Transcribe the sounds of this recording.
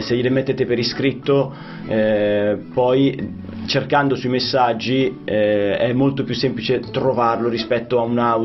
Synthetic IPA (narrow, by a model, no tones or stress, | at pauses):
sejelemet̪ːeːt̪epeɾiskɾit̪ːo | ɛpɔj | t͡ʃerkand̪osuimesːad͡ʒːiɛɛmːolt̪opjusːemplit͡ʃet̪ɾovarloɾispɛt̪ːoauna